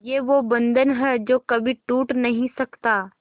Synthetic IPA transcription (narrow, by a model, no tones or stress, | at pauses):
jeːʋobɐ̃nd̪ʱənɦɛd͡ʒoːkɐbʱiʈuːʈnɐɦĩsɐkt̪aː